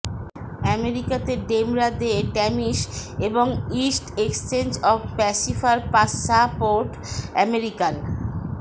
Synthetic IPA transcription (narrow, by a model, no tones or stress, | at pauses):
ɛmeɾikat̪eɖemɾad̪eʈɛmiʃeboŋisʈeksʈensɔbpɛsifʰaɾpasapoɾʈ | ɛmeɾikan